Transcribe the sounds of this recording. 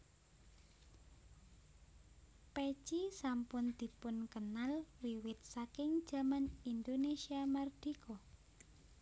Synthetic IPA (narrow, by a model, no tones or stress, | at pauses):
pe̥t͡ʃisampʊnd̪̥i̤pʊnkənalwiwɪt̪̚sakɪŋd̥d͡ʒ̥a̤manind̪onesiamard̪̥ikʰo